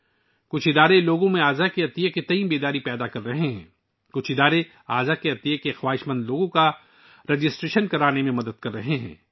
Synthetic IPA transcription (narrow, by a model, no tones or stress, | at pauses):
kʊt͡ʃʰɪd̪aːɾeloːɡõmẽaːzakeɐt̪ijəket̪ɐĩbeːd̪aːɾipɛːd̪akɐɾːɐɦeɦɛ̃ː | kʊt͡ʃʰɪd̪aːɾe | aːzakeɐt̪ijəkexwaːɦɪʃmə̃nd̪loːɡõka | ɾed͡ʒɪsʈɾeːʃənkɐɾaːnemẽmɐd̪əd̪̚kɐɾːɐɦeɦɛ̰̃ː